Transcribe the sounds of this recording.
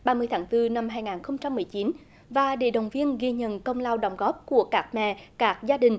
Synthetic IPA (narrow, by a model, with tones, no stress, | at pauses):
ɓaː˧mɨ˧əjt̪ʰaː˨˦ŋt̪ɨ˧na˧mɦaː˧jŋaː˨˩nxə˧wŋ͡mt͡ɕa˧mːɨ˨˩əjt͡ɕi˨˦n | vaː˨˩ɗḛ˧˩ɗə˨˩wŋ͡mvi˧ənɣi˧ɲə̰˧˨nkə˧wŋ͡mlaː˧wɗə˨˧˩wŋ͡mɣɔ˦˥p̚ku˧˩əkaː˦˥k̚mɛ̰˧˨kaː˦˥k̚zaː˧ɗï˨˩ŋ̟